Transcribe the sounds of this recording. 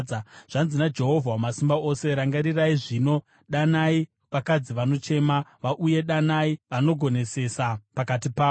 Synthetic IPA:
aʐ̥anzinad͡ʒe̞ɦo̞vʱawamasimbao̞se̞ɾaŋɡaɾiraiʐiːno̞ | ɗanai | ʋakad͡ziʋano̞t͡ʃe̞maʋaʔuje̞ɗanaiʋano̞ɡʱo̞ne̞se̞sapakat̬ipaː

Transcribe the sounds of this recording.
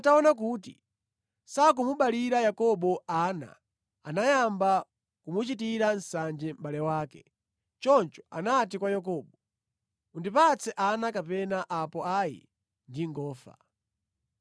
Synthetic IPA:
ataɔnak̬uːt̬i | sak̬umuɓaliɾajakɔɓɔaːna̰ | anajamba | kumut͡ʃitiɾansand͡ʒɛm̩ɓalɛwaːkɛ | t͡ʃɔnt͡ʃɔ̥a̰nat̬ikwajak̬ɔːɓɔ | undipat͡sʰɛʔanakapɛnaʔapɔajḭ | ndiŋɡɔːfa̰

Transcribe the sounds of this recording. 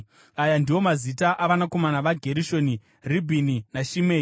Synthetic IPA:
ajandiwo̞mazitaʔaʋanako̞manaʋaɡʱe̞ɾiʃo̞ni | ribʱininaʃimeːi

